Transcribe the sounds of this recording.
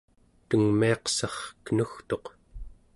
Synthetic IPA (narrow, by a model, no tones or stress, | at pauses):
t̪əŋmiɑqsɑχkənuxt̪o̞q